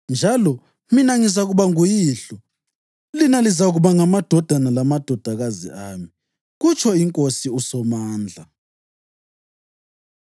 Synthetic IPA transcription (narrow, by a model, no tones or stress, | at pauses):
nd͡ʒʱalɔ | minaŋizaɣuβaŋujiːɬɔ | linalizaɣuβaŋamad̥ʱɔd̥ʱanalamad̥ʱɔd̥ʱaɣazḭaːmi | ɣut͡ʃʰɔiŋkʼosiusɔmaːnd͡ɮʱa